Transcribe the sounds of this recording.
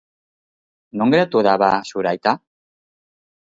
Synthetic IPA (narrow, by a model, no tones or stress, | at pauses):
noŋɡeɾat̪uðaβasuɾajt̪a